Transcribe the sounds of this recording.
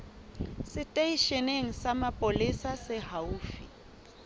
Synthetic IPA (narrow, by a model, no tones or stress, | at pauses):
sɪtʼeiʃeneŋ̩samapʼolisasɪhauːfi